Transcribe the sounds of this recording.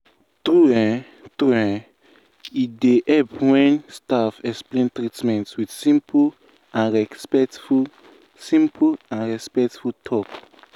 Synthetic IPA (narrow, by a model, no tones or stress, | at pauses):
tuɛ̃ | t̪uɛ̃ | ideʔɛpwɛ̃nstafɛksplẽntɹitmɛ̃ntwidsĩmp | ãnɹɛspɛtu | sĩmpʰuãnɹɛspɛktfutʰɔk